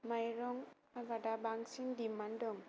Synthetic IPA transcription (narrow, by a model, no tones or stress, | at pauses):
majɾɔŋ | abadabaŋsindimandɔŋ